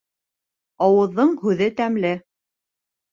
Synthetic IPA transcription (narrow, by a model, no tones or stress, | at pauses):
ɑwɤ̆ðːɤɴhʉðɘt̪æmlɘ